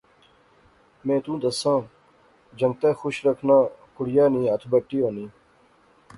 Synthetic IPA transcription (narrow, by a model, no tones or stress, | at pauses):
mẽːt̪ũːd̪ɐsãː | d͡ʑɐ̃ŋɡ̚t̪eːxuɕɾɐkʰnãːkʊɽjaːnĩːɐt̪ʰbəʈːijoːnĩː